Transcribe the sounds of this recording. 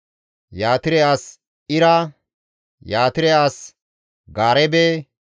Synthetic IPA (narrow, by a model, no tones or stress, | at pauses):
jaːt̪ɪɾɛjaːs | ɪɾa | jaːt̪ɪɾɛjaːs | ɡaːɾɛbeː